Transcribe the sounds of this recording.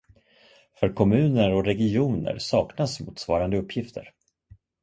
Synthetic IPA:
fœɾkʰɔmʉ̟ːnəɾɔɾɛɡɪuːnə̰ɾsɑːknasmṵːt̪svɑːɾand̪əɵpʰːjɪft̪ʰə̰ɾ

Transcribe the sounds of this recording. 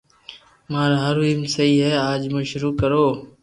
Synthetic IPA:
maːɾaɦəɾiːmsəiːɦɛːaːd͡ʒmʊʃɾuːkəɾoː

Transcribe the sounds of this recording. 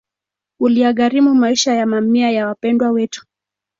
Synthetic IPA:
ulijaɠaɾimumaiʃajamamiajawapɛndwawɛtu̥

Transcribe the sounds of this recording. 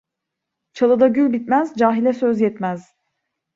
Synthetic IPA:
t͡ʃʰalˠɯd̪aɟylʲbit̪mæzd͡ʒaːɦilʲɛsø̞zjɛt̪mæz̥

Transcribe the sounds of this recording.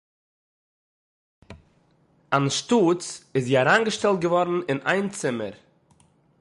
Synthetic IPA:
anʃtut͡sɪsiaɾanɡəʃtɛlˠt̚ɡəvɔɾn̩ɪna̰ɪnt͡sɪmə̰ɾ

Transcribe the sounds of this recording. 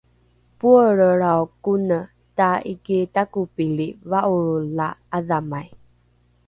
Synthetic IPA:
puəɾəɾawkunə | taḭkitakupilivaʔuɾulaːðamaj

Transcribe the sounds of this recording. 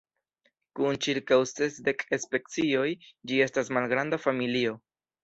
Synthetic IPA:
kunt͡ʃiɾkawse̞sde̞kespe̞k̚t͡sio̞jd͡ʒie̞stasmalɡɾandafamilio̞

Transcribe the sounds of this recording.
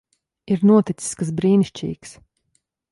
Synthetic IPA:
iɾnuɔt̪it̪si̥skasbɾiːniʃt͡ʃḭːks

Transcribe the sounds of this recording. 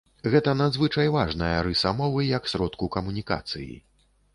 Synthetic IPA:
ɣɛt̪ɐnad̪zvɨt͡ʂɐjvaʐnɐjɐɾɨsamɔvɨjɐksʲɾɔt̪kukɐmunʲika̰t̪sɨ̰jḭ

